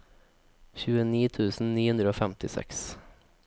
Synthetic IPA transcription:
çʉːəniːt̪ʰʉːsn̩niːhɵnd̪ɾəoːfɛmt̪ɪsɛ̰ks

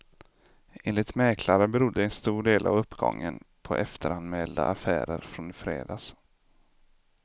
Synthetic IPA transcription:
ʔeːnɪt̪mɛːkʰlaɾəbɛɾʊd̪ːəɛnst̪uːɖeːlʔavɵpːɡɔ̰ŋːənpʰɔʔɛft̪ʰəɾanmɛːld̪a̰ʔafæ̰ːɾəɾfɾɔnfɾḛːd̪aːs

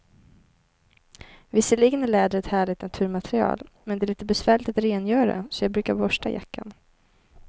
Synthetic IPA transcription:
vɪsːəlɪɡənæɭɛːd̪əɾɛt̪hæːɭɪt̪nat̪ʰʉ̟ːɾmat̪ʰɾɪɑ̰ːlmɛnd̪ɛælɭiːt̪əbɛsvæːɭɪt̪at̪ɾeːnjœːɾad̪ɛ̰sɔjɑːɡ̚bɾʉ̟ːkaɾbɔʂʈa̰ja̰kːa̰n

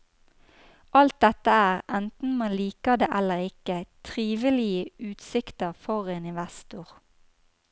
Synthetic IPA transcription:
ʔɑlt̪̚d̪ɛt̪əæːʁɛnt̪n̩mɑnliːkəd̪eːʔɛləʁɪkət̪ʰʁiːʋəlɪəʉːt̪sɪkt̪əʁfɔʁeːnɪnʋæst̪ʊʁ

